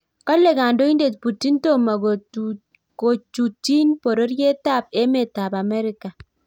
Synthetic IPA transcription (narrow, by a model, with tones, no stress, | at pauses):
ka˦lɛ˨ka˨ndo˦i˦nde˨t̚pu˨ti˦nto˦ma˨o | ko˨t͡ʃu˨ti˦npo˨ɾo˦ɾje˦ta˦˨p̚e˦me˨ta˨pa˨mɛ˦ɾɪka˨